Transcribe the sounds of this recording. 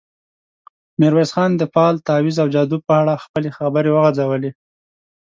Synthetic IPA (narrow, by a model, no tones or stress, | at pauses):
mɪɾwezxɑnd̪əfɑlt̪ɑwizawd͡ʒɑd̪ub̚pəaɽaxpəlexabəɾewəɣad͡zawəle